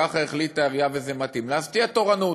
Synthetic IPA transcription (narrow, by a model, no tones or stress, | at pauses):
aχaeχlittaeʁjavezemat̪imleast̪iat̪oʁanu